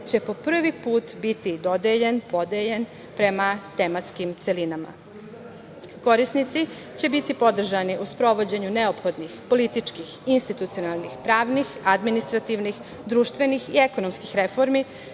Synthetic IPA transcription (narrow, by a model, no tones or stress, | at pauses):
t͡ɕe̞po̞pr̩ʋipuːt̪bit̪id̪o̞d̪eʎenpod̪eʎen | pɾe̞mat̪e̞mat̪skimt̪se̞linama̰ | ko̞ɾisnit̪si | t͡ɕe̞bit̪ipo̞d̪r̩ʒaniʔuspɾo̞ʋo̞d͡ʑe̞ɲune̞opxo̞d̪nixpo̞lit̪it͡ʃkixinst̪it̪ut̪sionalˠnixpɾaːʋnixad̪minist̪ɾat̪iʋnix | d̪ɾuːʃt̪ʋe̞nixie̞ko̞no̞mskixɾe̞fo̞ɾmi